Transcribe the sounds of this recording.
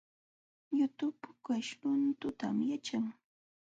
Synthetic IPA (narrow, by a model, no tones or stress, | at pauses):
jʊt̪ʊpʊkaʃɾʊnt̪ʊt̪amjat͡ʃaŋ